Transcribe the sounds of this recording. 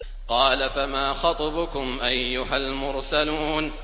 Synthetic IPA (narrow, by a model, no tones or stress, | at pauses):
qɑːlafamaːxɑt̪ˤbʊkʊmʔajːʊɦalmʊɾsaluːn